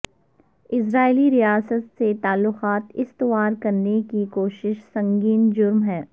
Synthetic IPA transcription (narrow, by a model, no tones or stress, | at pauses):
ɪs̬ɾaːɪliɾijaːsət̪set̪aːlːʊqaːt̪ɪst̪ɪʋaːɾkɐɾnekikoːʃɪʃsɐ̃ŋɡiːnd͡ʒʊɾmɦɛː